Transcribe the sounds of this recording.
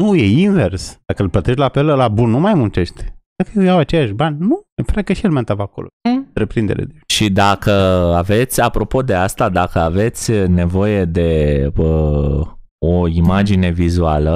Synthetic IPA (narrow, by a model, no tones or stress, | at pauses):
nujeinve̞rsd̪akəɨlplət̪eʃt̪lapeləlabunːumajmunt͡ʃe̞ʃt̪t̪kəjejawat͡ʃejaʃbanʲnufɾakəʃielment̪avakolo̰t̪ɾepɾind̪eɾḛd̪eʃid̪akəave̞t̪sʲapɾo̞po̞d̪e̞ast̪ad̪akəave̞t̪sʲne̞vo̞je̞d̪e̞ə | oimad͡ʒine̞vizualə